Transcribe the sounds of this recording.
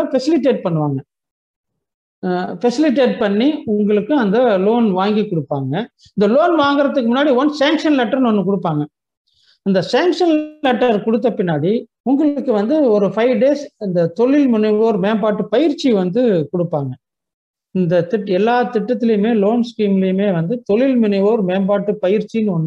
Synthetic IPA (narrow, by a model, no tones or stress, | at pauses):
fɛsɪlɪʈ̬ːeːʈ̚pɐɳːɯʋaːŋɡɐ | fɛsɪlɪʈ̬ːeːʈ̚pɐɳːiʊŋɡɐɭɯkːɯɐnd̪ɐloːnʋaːŋɡikʊɽɯpːaːŋɡɐ | ɪnd̪ɐloːnʋaːŋɡɪɾɐt̪ːɯkːɯmʊnːaːɽiʋɔnsaːŋkʂɐnlɛʈːɐɾnɔnːɯk̬ɔɽɯpːaːŋɡɐ | ɐnd̪ɐsaːŋkʂɐnlɛʈːɐɾkɔɽɯt̪̬ːɐpɪnːaːɽi | ʊŋɡɐɭɯkːɯʋɐnd̪ɯɔɾɯfɐɪʋɖeːsɐnd̪ɐt̪ɔɭɪlmɪnɛʋoːɾmeːmbaːʈːɯpɐjɪɾt͡ʃːiʋɐnd̪ɯkɔɽɯpːaːŋɡɐ | ɪnd̪ɐt̪ɪʈːɛlːaːt̪ɪʈːɐt̪ːɪlɐjɯmeːloːnskɾiːmɪlɐjɯmeːʋɐnd̪ɯt̪ɔɭɪlmɪnɪʋoːɾmeːmbaːʈːɯpɐjɪɾt͡ʃːinːɯɔnːɯ